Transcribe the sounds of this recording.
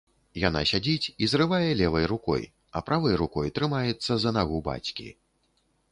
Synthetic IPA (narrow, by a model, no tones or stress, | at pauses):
jan̪a̰sʲad͡zʲit͡sʲizrɨvajɛlʲɛvɐjrukɔ̰j | ɐ̰pɾʔavɨjɾukɔjt̪ɾɨmajɛt̪sːɐzɐnaɣuba̰t͡sʲkʲḭ